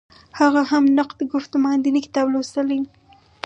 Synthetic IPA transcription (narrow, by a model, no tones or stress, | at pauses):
haɣahamnaqd̪əɡʊxt̪omaand̪inikɪ̥t̪ɑblosəli